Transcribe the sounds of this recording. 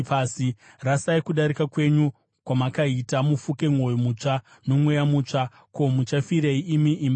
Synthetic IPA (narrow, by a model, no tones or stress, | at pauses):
pasi | rasaikuɗaɾikakwe̞ɲu | kwamakaitamufuke̞ŋwo̞jomut͡ʂa | no̞mwejamuːt͡ʂa | ko̞mut͡ʃafiɾeiimiʔim